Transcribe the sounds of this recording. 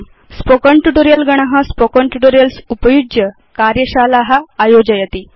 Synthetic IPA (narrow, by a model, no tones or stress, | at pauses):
spokəɳʈuʈoɾijəlɡəɽ̃aɦãspokəɳʈuʈoɾijəlsupəjuɡjə | kaɾjəɕalaɦaːjod͡ʑəjət̪i